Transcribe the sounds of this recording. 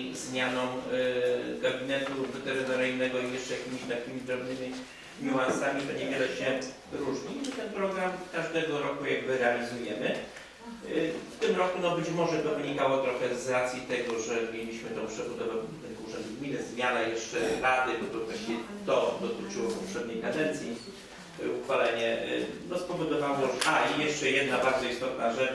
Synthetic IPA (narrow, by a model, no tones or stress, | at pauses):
zmʲjanɔw̃ | ɡabʲinɛt̪uvɛt̪ɛɾɨt̪ɔɾɘjnɛɡɔijɛʂt͡ʂɛjakʲimʲiɕt̪akʲimʲid̪ɾɔbnɘmʲi | ɲuwansamʲit̪ɔɲɛvʲjɛlɛɕɛvɾuʐɲit̪ɛnpɾɔɡɾamkaʐd̪ɛɡɔɾɔkujaɡ̚bɘɾɛalʲizujɛmɘ | ft̪ɘmɾɔkunɔbɘt͡ɕmɔʐɛt̪ɔvɘɲikawɔt̪ɾɔxɛzːɾat̪sʲjit̪ɛɡɔʐɛmʲjelʲiɕmɘt̪ɔ̃w̃pʂɛbud̪ɔvɛ̃t̪ɛnɡuʐɛnd̪uɡmʲinɘzmʲjanajɛʂt͡ʂɛɾad̪ɘbɔt̪ɔvvaɕɛt̪ɔd̪ɔt̪ɪt͡ʂɨwɔpɔpʂɛd̪ɲejkad̪ɛnt̪sʲji | uxfalɛɲɛnɔspɔvɔd̪ɔvawɔʔaijɛʂt͡ʂɛjɛd̪̚nabaɾd̪zɔist̪ɔt̪̚naʐɛt͡ʂ